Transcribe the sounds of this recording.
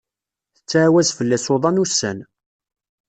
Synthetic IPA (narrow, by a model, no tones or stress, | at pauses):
θət͡sːaʕwæzfəlːæsoðˤɑnusːæn